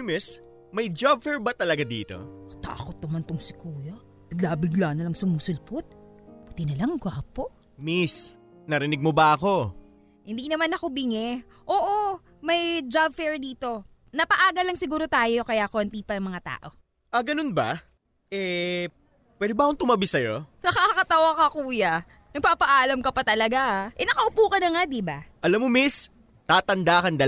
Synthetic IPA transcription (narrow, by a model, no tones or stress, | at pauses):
ʊmɪs | mɐjd͡ʒab̚fɛɹbɐt̪ɐlɐɡad̪ḭːt̪o̞̰kɐ̥t̪a̰ːkot̪̚nɐmant̪ʊŋsɪkuːjɐ | b̥ɪɡlabɪɡlaːnɐlɐŋsʊmusʊlpʊt̪̚ | but̪ɪnɐlɐŋɡaːpo | mis | nɐɾɪnɪɡ̚mobɐʔɐko̞ | hɪnd̪inɐmanɐkobɪŋɛ | ʔoːʔo | mɐjd͡ʒabfɛɹd̪iːt̪o̞ | nɐpɐʔaːɡɐlɐŋsɪɡuːɾo̞t̪aːjo̞kɐjakoːnt̪ipɐnɐŋmɐŋat̪a̰ːʔo̞ | ʔɐɡɐnonbɐ̰ | ʔɛ | pwɛd̪ɪbaʔɐkont̪ʊmɐbɪsɐjo̞nɐkakɐt̪ɐwakɐkuːjɐ | nɐɡ̚paːpɐʔaːlɐmkɐpɐt̪ɐlɐɡaʔaʔɛnɐkɐʔʊpuːkɐnɐŋad̪ɪbaʔɐlamːomis | t̪aːt̪ɐnd̪aːkɐnd̪ɐ